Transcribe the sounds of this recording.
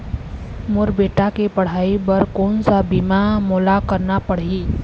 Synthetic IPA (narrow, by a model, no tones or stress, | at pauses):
muɾbeʈakepəɽ̤aibəɾkonsabimamolakəɾnapəɽ̤i